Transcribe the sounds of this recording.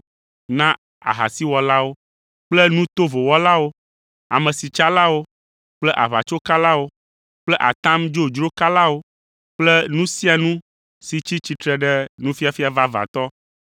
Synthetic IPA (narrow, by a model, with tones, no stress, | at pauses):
nã˦ | a̰˨ɦa̰˨si˦wɔ˨la˦wo˦ | k͡plɛ˦nũ˦t̪o˦vo˨wɔ˦la˦wo˦ | a̰˨mɛ̃˨si˨t͡ʃa˦la˦wo˦ | k͡plɛ˦ʔa̰˨βa̰˨t͡ʃo˦ka˦la˦wo˦ | k͡plɛ˦ʔa̰˨t̪ã˦md͡ʒo˦d͡ʒɾo˦ka˦la˦wo˦ | k͡plɛ˦nũ˦si˦a˨nũ˦ | si˨t͡ɕi˦t͡ɕi˨t̪ɾɛ˨ɖɛ˦nũ˦fi˦a˨fi˦a˨va˦va̰˨t̪ɔ˦